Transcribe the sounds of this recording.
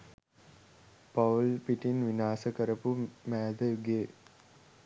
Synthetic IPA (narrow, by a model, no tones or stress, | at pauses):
pɐlpiʈinʋinaːsəkɐɾɐpumæːd̪əɡeː